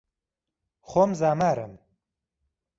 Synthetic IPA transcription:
χomzaːmaːɾɨ̰m

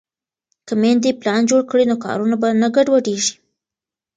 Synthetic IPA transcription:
kamend̪eplɑnd͡ʒoɽkɽinokɑ̰ɾunabanaɡaɖwaɖeʒi̥

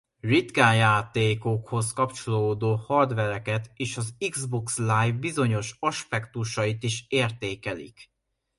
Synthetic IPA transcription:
rit̪kajaːt̪eːkokho̞skɒpt͡ʃo̞loːd̪oːhɒrd̪ʋɛɾɛkɛt̪eːʃɒziɡzbokslaːjvbizo̞ɲo̞ʃɒʃpɛkt̪uʃɒjit̪iʃeːrt̪eːkɛlḭk

